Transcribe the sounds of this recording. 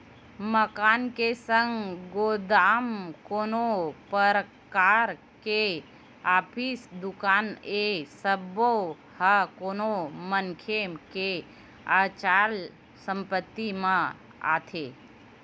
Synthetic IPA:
məkaːnkesə̃ŋɡɡoːd̪aːmkoːnopəɾəkaːɾ | ke | aːpʰiːsd̪ʊkaːnesəbo | hakoːnoməŋkʰemke | aːt͡ʃaːl | sə̃mpət̪ːimã | a̰ːt̪ʰe

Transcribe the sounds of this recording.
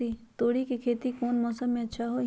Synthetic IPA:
it̪oːɽikikʰeːt̪ikɔːnmɔːsəmːẽɐtːʃʰaɦo

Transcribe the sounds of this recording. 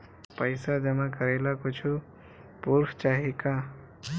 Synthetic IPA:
pəjsad͡ʒʌmãkəɾelakot͡ʃʰu | puɾpʰt͡ʃaɦika

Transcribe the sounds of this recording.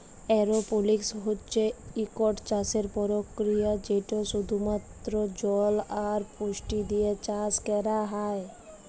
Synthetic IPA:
ɛɾopoliksɦotːt͡ʃʰeikoʈt͡ʃaseɾpɔɾokːɾijad͡ʑeʈoʃud̪ʱumat̪ːɾod͡ʑɔlaɾpuʃʈid̪iet͡ɕaskɛɾaɦae

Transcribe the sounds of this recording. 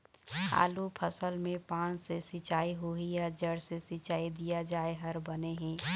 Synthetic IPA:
ha̰ːlupʰəsəlmẽpãːnsesit͡ʃaːiɦoɦijad͡ʒəɽsesit͡ʃaːid̪ijad͡ʒaːeɦəɾbəneɦẽː

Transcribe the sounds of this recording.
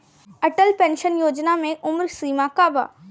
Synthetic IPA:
ɐʈəlpɛ̃ːnʃənjoːd͡ʑnamẽʔʊmɾsiːmãkaːba̰ː

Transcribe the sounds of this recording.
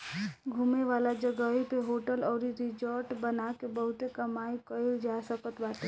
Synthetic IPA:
ɡʱumeʋalad͡ʒəɡəipeɦoʈəlɔːɾiɾid͡ʒəɾʈbənakebəɦʊt̪ekəmaikəeld͡ʒasəkət̪bat̪e

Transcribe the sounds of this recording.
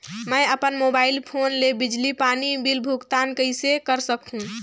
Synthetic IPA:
məjəpənmobailpʰonlebid͡ʒlipanibilbʱukt̪ankəjsekəɾsəkɦũ

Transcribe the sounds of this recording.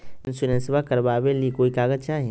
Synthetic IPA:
ɪnsuɾẽnsbakəɾbabelikoːikaːɡəd͡ʒt͡ʃaːɦe

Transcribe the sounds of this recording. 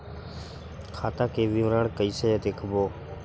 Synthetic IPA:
kʰaːt̪aːkeːʋiʋɾaːɳkəiːsəd͡ʒaːd̪eːkʰboː

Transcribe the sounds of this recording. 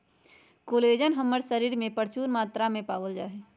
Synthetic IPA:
koːleːd͡ʒənɦəmːəɾsəɾiːɾmẽpəɾt͡ʃuːnmaːt̪ɾamẽpaːwəld͡ʒaːɦeː

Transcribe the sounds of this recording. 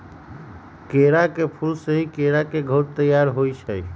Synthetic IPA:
keɾakepʰulsəɦikeɾakeɡʱəɾt̪əjaɾɦoit͡ʃʰəj

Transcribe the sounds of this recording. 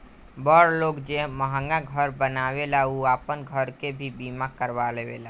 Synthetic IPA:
bəɾlokd͡ʒeɦməɦə̃ŋɡaɡʱəɾbənaβelauapənɡʱəɾkebʱibimakəɾbalebela

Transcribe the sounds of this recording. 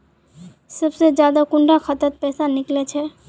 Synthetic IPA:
səbsed͡ʒjad̪akʊɳɖakʰət̪ət̪̚pɛːsanɪklet͡ʃʰe

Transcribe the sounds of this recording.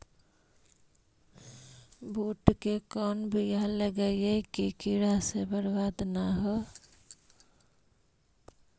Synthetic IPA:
buʈkekɔnbʱijaləɡəjekikiɾasebəɾbad̪naɦɔ

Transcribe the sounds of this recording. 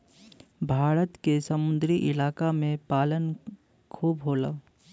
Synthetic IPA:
bʱaːɾət̪kesɐmʊ̃nd̪ɾiʔɪlaːkamẽpaːlən | kʰuːbɦoːla̰ː

